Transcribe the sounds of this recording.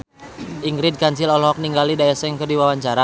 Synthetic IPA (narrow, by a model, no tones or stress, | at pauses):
ʔiŋɡɾid̚kaɲt͡ʃilɔlɦɔk̚niŋɡalidaɛsɛŋkədiwawaɲt͡ʃaɾa